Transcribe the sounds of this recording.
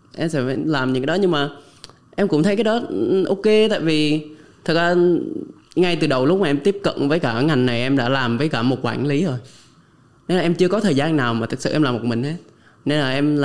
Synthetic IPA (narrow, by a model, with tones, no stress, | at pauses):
ʔɛ˧msɛ̰˧˥˧laː˨˩mɲɨ̰˧˥kaː˧˦ɗɔ˨˦ɲɨ˧ŋmaː˨˩ | ʔɛ˧mkʊ̰˧˥ŋ͡mt̪ʰə˨˦jkaː˨˦jɗɔ˨˦˨ʔo˧ke˧t̪a̰ː˧˨jvi˨˩t̪ʰɨ˨˩k̚zaː˧ | ŋa˧jt̪ɨ˨˩ɗə˨˩wlʊ˦˥k͡p̚maː˨ʔɛ˧mt̪i˦˥əp̚kə̰˧˨nvəː˨˦jkaː˧˩ŋa˨˩jŋ̟na˨˩jʔɛ˧mɗa̰ː˧˥laː˨˩mvəː˨˦jkaː˧˩mo˨˩t̚kwa̰ː˧˩nli˨˦zo˨˧˩j | ne˧nlaː˨ɛ˧mt͡ɕɨ˧əkɔ˨˦t̪ʰəː˨˩jzaː˧nːaː˨˩wmaː˨˩t̪ʰɨ˨˩k̚sɨ̰˧˨ʔɛ˧laː˨˩mo˨˩t̚mï˨˩ŋ̟he˦˥t̚ | ne˧nlaː˨˩ʔɛ˧ml